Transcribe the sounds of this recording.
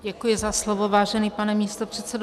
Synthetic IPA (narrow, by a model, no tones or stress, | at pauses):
ɟɛkujɪzaslovo̞vaːʒɛniːpanɛmiːst̪o̞pr̥ɛt̪t͡sɛdo